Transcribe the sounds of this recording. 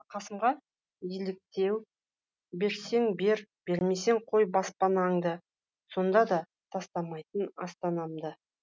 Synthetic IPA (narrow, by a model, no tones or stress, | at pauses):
qʰɑsəmʁɑ | jelɪk̚t̪e̞w | be̞ɾse̞ŋbe̞ɾb̥e̞ɾme̞seŋqʰo̞jbɑspɑnɑŋd̪ə | so̞nd̪ɑd̪ɑ | t̪ʰɑst̪ɑmɑjt̪ənɑst̪ɑnɑmd̪ə